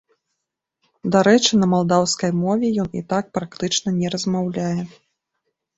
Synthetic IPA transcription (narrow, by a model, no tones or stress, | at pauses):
d̪aɾɛt͡ʂɨnɐmalˠd̪awskɐjmɔvʲɛjɔnḭt̪ak̚pɾak̚t̪ɨt͡ʂnɐnʲɛɾɐzmawlʲajɛ